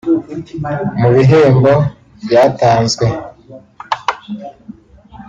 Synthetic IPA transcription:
muβiɦeːmbo | bjaːtaːnzɡwe

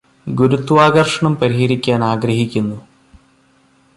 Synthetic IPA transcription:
ɡuɾut̪ːʋaːɣɐrʂɐɳɐmpɐɾiɦɐɾikʲːaːnaːɡɾɐɦikʲːunːu

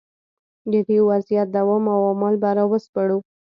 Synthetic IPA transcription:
d̪əd̪iwazijat̪̚d̪awɑmawamɑlbaɾawəspaɽu

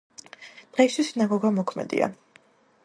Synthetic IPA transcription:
d̪̥ʁɛisʰisinaɡɔɡamɔkʰmɛ̰d̪ḭa̰

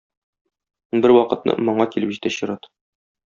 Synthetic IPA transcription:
bɘɾwɒqɤ̆t̪nɤ̰mŏɴɑkilɘpʑit̪æɕɤ̆ɾɑt̪

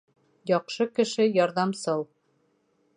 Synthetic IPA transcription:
jɒqʃɤkɘ̆ʃɘjɒɾðɑmsɤlˠ

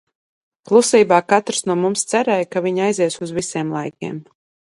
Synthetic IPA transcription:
klˠusiːbaːkat̪ɾsnuɔmumst̪sæɾɛjkaviɲajziɛsuzvisiɛmlˠajkʲḛɛm

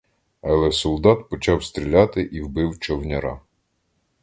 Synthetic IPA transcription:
ɐlˠɛsɔlˠd̪ɑt̪pɔt͡ʃɑwst̪ɾʲilʲɑt̪ɪʔiwbɪwt͡ʃɔwnʲɐɾɑ̰

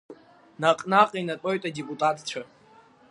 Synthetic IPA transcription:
naqʼnaqʼinatʼo̞jtʼadepʼutʼatʰʼt͡ʃʷʰa

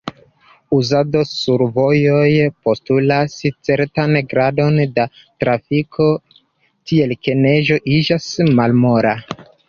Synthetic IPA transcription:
uzado̞suɾvo̞jo̞jpo̞stulast͡se̞ɾtanɡɾado̞nda | tɾafikʰo̞ | tʰie̞lke̞ne̞ʒo̞ʔid͡ʒasmalmo̞ɾa

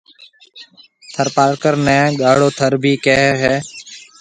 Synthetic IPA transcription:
t̪ʰəɾpaːɽkəɾnɛ̃ːɠaːɽoːt̪ʰəɾbʱiːkɛːɦɦɛː

